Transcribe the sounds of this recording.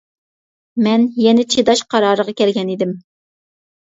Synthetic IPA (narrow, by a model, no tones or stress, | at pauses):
mɛnjɛnɪt͡ʃʰed̪ɑʃqʰɑɾɑːɾəʁɑkʲɛlɡʲɛnid̪ɪm